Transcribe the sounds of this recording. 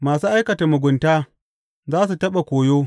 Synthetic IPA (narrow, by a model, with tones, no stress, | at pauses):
maː˨suː˦ʔa˦jkɐ˨ta˨mʊ˨ɡʷʊ˨ntaː˦ | zaː˦s̬u˨tɐ˦ɓa˨kʷoː˨joː˦